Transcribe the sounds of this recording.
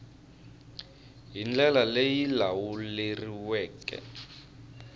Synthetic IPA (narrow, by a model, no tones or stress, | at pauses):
ɦind͡ɮɛlalejilawuleriwɛːkɛ̰